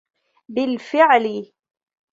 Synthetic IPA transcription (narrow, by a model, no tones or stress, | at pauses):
bɪlfɪʕlɪ